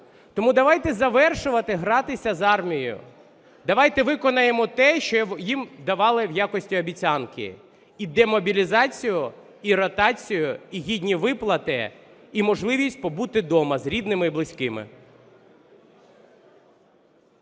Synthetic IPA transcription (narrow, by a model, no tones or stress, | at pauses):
t̪ɔmud̪ɐʋɑjt̪ɛzɐʋɛrʃʊʋɐt̪ɪɦɾɑt̪ɪsʲɐzɑrmʲijjʊ̰ | d̪ɐʋɑjt̪ɛʋɪkɔnɐjemɔt̪ɛʃt͡ʃɔjimd̪ɐʋɑlˠɪwjakɔsʲtʲiɔbʲit͡sʲankɪ̰ | id̪ɛmɔbʲilʲizɑt͡sʲijʊ | iɾɔt̪ɑt͡sʲijʊiɦʲidʲnʲiʋɪplˠɐt̪ɪ̰ | imɔʒlˠɪʋʲisʲtʲpɔbut̪ɪd̪ɔmɐzɾʲid̪nɪmɪiblˠɪsʲkɪmɪ̰